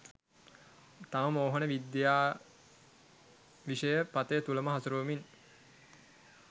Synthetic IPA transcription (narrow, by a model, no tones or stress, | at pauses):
t̪aməmoːɦonəʋid̪jaː | ʋiʂəjəpat̪əjət̪uləməɦasuɾuːmin